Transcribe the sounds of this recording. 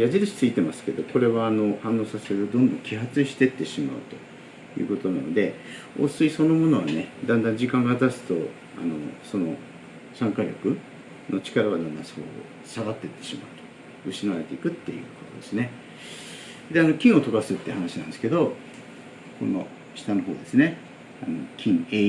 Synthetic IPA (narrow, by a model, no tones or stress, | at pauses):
jaʑiɾɯɕi̥t͡sɨit̪e̞masɨ̥ke̞d̪o̞ko̞ɾe̞βaːno̞hãnːo̞ːsaseɾɯt̪od̪õ̞nd̪õ̞ŋkʲiɦat͡sɨɕi̥t̪e̞t̪ːe̞ɕima̰ɯ̟̰t̪o̞̥ | jɯ̟̰ːko̞t̪o̞nano̞d̪e̞ | o̰ːsɨiso̞no̞mo̞no̞βane̞d̪ãnd̪ãɲ̟d͡ʑikãŋɡat̪asɨ̥t̪o̞ | a̰no̞̰so̞no̞ | sãŋkaɾʲo̞kɯ̟ | not͡ɕi̥kaɾaβad̪ãnd̪ã̰so̰ː | saɡat̪ːe̞t̪ːe̞̥ɕima̰ɯ̟t̪o̥ | ɯ̟ɕinaβaɾe̞t̪eikɯ̟t̪ːe̞̰jɯ̟ːko̞t̪o̞d̪e̞sɨne̞ | d̪e̞ano̞kʲĩɰ̃o̞t̪o̞kasɨt̪ːeɯ̟hanaɕinãnd̪sɨ̥ke̞d̪o̞ | ko̞̰no̞̰ | ɕi̥t̪ano̞ɦo̞ːd̪e̞sɨne̞ | anokʲʰĩŋe